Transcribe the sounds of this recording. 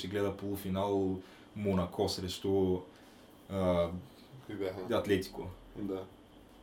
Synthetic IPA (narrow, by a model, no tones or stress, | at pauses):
ʃɛɡlɛd̪ɐpolˠufinalˠ | monakʰɔsɾɛʃt̪ɔ | kobjaɦɐat̪lɛt̪i̥kod̪a